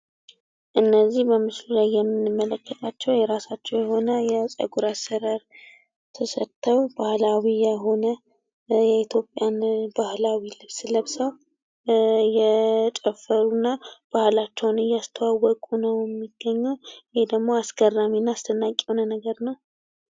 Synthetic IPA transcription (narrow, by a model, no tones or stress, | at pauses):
ʔɨnːəzːihbəmɨslulajːɛmːɨnːɨmːələkʰːət̪ʼat͡ʃːɛwjɛɾasat͡ʃːɛwjɛho̞nəjɛsʼə̰ɡuɾasəɾaɾ | t̪ʰəsət̪ʰːəwbahlawijɛɦo̞nə | jɛit̪ʰjo̞pʼjanbahlawilɨβsləβsəw | jɛt͡ʃʼɛfəɾunːab̥ahlat͡ʃːɛwnɨjast̪ʰəwawɔkʼunəwjɛmːiɡ̥ːəɲːuwhed̪əɡmo̞asɡərːaminːaast̪ʰənːakʼːɛwnənəɡəɾnəw